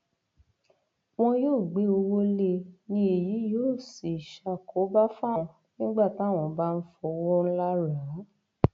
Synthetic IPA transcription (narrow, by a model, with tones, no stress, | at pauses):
w̃ɔ̃˧joː˦˨ɡ͡be˨˦o˧wo˦le˧nĩ˧˦e˨ji˨˦joː˦˨si˨ʃa˧kʰo˨˦ba˦fã˦˧ | nĩ˦ɡ͡ba˦˨ta˨˦˨w̃ɔ̃˧ba˦n̩˦fɔ˧wɔ˦n̩˦la˦ɾã˨˦